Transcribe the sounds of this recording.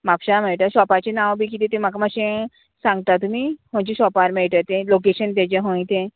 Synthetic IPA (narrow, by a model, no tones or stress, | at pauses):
mapɕameɭʈəɕɔpat͡ɕenãwbʱiːk̬it̪et̪ẽmakamaɕẽ | sãŋɡ̚t̪at̪umiːɦõt͡ɕiɕɔpaɾmeɭʈ̪ət̪ẽlokeɕənt̪̬at͡ɕeɦõĩt̪ẽ